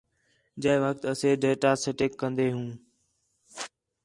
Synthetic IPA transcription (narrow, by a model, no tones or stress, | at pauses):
d͡ʒəeʋək̚t̪əseːɖeːʈaːsɪʈɪkːə̃nd̪eːɦũː